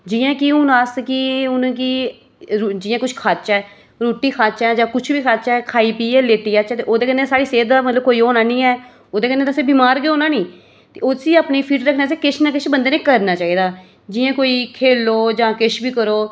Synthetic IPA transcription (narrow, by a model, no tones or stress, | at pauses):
d͡ʒɪjãːkiʊnaːskiʊñːk̬i | d͡ʒɪjãːkʊt͡ʃʰkʰaːt͡ʃɛː | ɾoːʈiːkʰaːt͡ʃɛːd͡ʒãːkʊt͡ʃʰbiːkʰaːt͡ʃɛːkʰaːiːpiːɛːleːt̪iːaːt͡ʃɛːt̪eːʔoːd̪eːkənːeːsaːɽiːseːd̪d̪aːmət̪ləb̚koːiːɦoːnãːnĩːɛː | oːd̪eːkənːẽːd̪əseːbiːmaːɾɡeːoːnaːnĩː | t̪eːoːsiːaːpniːpʰiːʈɾəkʰneas̬eːkɪt͡ʃʰnãːkɪt͡ʃʰbənd̪eːnẽːkəɾnaːt͡ʃaːiːd̪aː | d͡ʒɪjãːkoːiːkʰeːloːd͡ʒãːkɪʃʰbiːkəɾoː